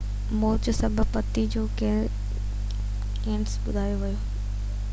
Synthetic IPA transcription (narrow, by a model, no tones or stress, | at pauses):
moːɾt͡ɕʊsɐbʱʊpɐt̪id͡ʑoːke | kẽːɳsɓʊd̪ʱaːjoʋɐjoː